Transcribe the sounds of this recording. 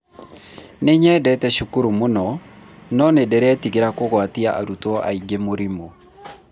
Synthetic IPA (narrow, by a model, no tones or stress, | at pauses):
neɲɛdɛtɛʃukuɾumonɔnɔnedɛɾɛtiɣeɾakoɣwatiaʔa̰ɾutɔʔa̰iɡemoɾimo